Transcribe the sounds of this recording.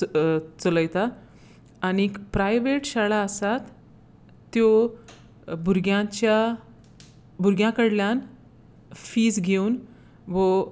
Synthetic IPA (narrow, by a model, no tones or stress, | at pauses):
t͡sələjt̪aː | ñipɾajʋeʈɕaɭaəsat̪ː | jo | buɾɡjãt͡ɕja | buɾɡjãkəɽljan | fiːd͡zɡʱeuːn | ʋɔ